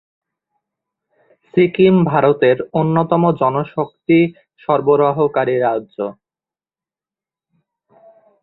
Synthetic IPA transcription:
sikimbʱaɾot̪eɾonːot̪ɔmod͡ʑɔnoʃok̚t̪i | ʃɔɾboɾoɦokaɾiɾadːʑo

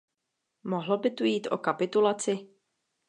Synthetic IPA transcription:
mo̞ɦlobɪt̪ujiːt̪ʔo̞̰kapɪt̪ulat͡sɪ

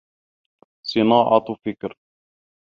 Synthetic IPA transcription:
sˤɨnɑːʕɑ̰t̪fɪkɾ

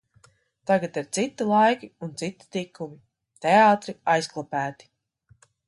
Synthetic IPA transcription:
t̪aɡat̪iɾt̪sit̪ilˠajkiunt̪sit̪i̥t̪ikːumi | t̪eaːt̪ɾiajsklˠapæːt̪i̥

